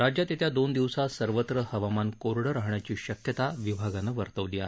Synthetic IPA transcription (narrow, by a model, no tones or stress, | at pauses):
ɾad͡ʑjat̪et̪ʰjad̪ond̪iʋsasəɾʋət̪ɾəhəʋamankoɾɽəɾaɦɳjat͡ɕiːɕəkjət̪aʋibʱaɡanəʋəɾt̪əʋlija̰